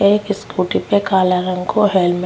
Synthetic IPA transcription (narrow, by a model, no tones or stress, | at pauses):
eekɪskuːʈipekaːlaɾə̃ŋkoɦeːlm